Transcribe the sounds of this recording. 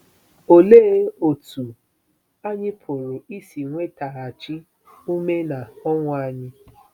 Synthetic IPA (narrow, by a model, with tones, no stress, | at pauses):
o˨le˦o˨tu˨ | a˦ɲĩ˧pʰo˨ɾo˨i˦˨si˨w̃ʷe˦ta˧˨a˨t͡ʃĩ˦ | u˦me˦nã˨ɔ˦wɔ̃˧a˧ɲĩ˧